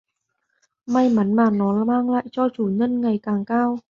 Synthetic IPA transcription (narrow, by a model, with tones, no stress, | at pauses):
ma˧jma˨˦nmaː˨˩nɔ˨˦maː˧ŋla̰ː˧˨jt͡ɕɔ˧t͡ɕuː˧˩ɲə˧nŋa˨˩jkaː˨˩ŋkaː˧w